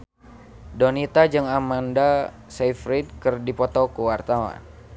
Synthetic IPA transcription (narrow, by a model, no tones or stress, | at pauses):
donit̪ad͡ʒɨŋamanda | sefɾid̚kɨrdipɔt̪ɔkəwart̪awa̰n